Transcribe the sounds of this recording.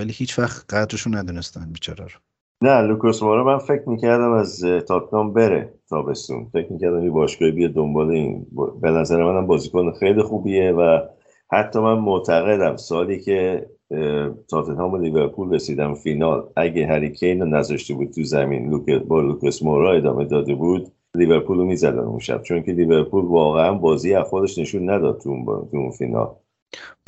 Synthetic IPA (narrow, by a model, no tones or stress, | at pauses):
vælihiːt͡ʃvæxt̪ɢæd̪ɾeʃunːæd̪unest̪ænbiːt͡ʃʰɒːɾæɾo | nælukosmoɾɒmænfe̞cʰmiːcʰæɾd̪æmæzt̪ʰɒːt̪̚nɒmbe̞ɾḛt̪ʰɒːbe̞st̪ṵnfe̞cʰmiːcʰæɾd̪æmcebɒːʃɡ̥ɒibijɒd̪o̞mbɒːleḭnbbe̞næzæɾemænæmbɒːzikʰonxejlixuːbie̞væ | hæt̪ʰːɒːmænmoʔt̪ʰæɣe̞d̪æmsoɒːlicʰe | t̪ʰɒːt̪ʰenɒːmeliveɾpʰuːlresiːd̪æmfinɒːlʔæɟeɦæɾiːcʰenɒːnæzɒʃt̪ebuːd̪̚t̪ʰuzæmḭːnlukbɒːlukʰesmoɾɒe̞d̪ɒ̰ːme̞d̪ɒːd̪e̞buːd̪ | liveɾpʰuːlomiːzæd̪æ̰nṵnʃæ̰b̥t͡ʃʰoncʰeliːveɾpʰuːlvɒːɣeænbɒːziːjæfɾɒːd̪e̞ʃne̞ʃunːæd̪ɒ̰ːd̪̚t̪ʰṵt̪ʰuunfḭːnɒ̰ːl